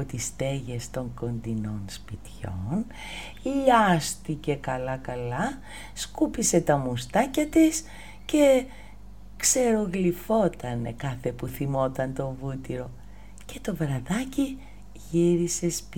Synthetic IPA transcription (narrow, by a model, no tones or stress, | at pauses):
ot̪ist̪e̞ʝe̞st̪o̞ŋko̞nd̪ino̞nspit̪ço̞̰n | ʎʎɐst̪ice̞kɐlɐkɐlɐ | skupise̞t̪ɐmust̪ɐcɐt̪is | ce̞ | kse̞ɾo̞ɣlifo̞t̪ɐnekɐθe̞puθimo̞t̪ɐnt̪o̞vut̪iɾo̞ | ce̞t̪o̞vɾɐðɐci | ʝiɾise̞sp